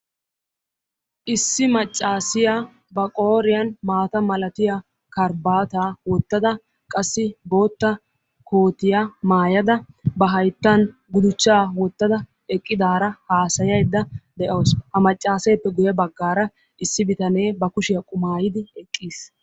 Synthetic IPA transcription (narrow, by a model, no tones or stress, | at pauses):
ʔɪsːɪmɐt͡ʃʼːaːsɪja | bɐkʼo̞ːɾɪjɐnmaːt̪ɐmɐlɐt̪ɪja | kɐɾbaːt̪aːwɔt̪ːɐd̪ɐ | kʼɐsːɪbo̞ːt̪ːɐ | koːt̪ɪjamaːjɐd̪ɐ | bɐɦɐjt̪ːɐnɡʊd̪ʊt͡ʃːaːwɔt̪ːɐd̪ɐ | ɛkʼːɪd̪aːɾɐhaːsɐjɐjd̪ːɐd̪ɛʔɐwshɐmɐt͡ʃʼːaːsɛjpːɛɡʊjɐbɐɡːaːɾɐ | ɪsːɪbɪt̪ɐne̞ːbɐkʊʃɪjɐkʼʊmaːjɪd̪ɪɛkʼːiːs